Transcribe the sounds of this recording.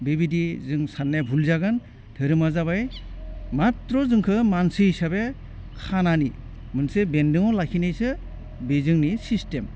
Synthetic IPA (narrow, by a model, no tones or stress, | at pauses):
bebidizɯŋsanːebʱulzaɡɯn | tʰɯɾɯmazabajmatɾɔzɯŋkʰɯmansɯisabe | kʰanani | mɯnsebendɯŋɔlakʰinɯjsɯ | bezɯŋnisistem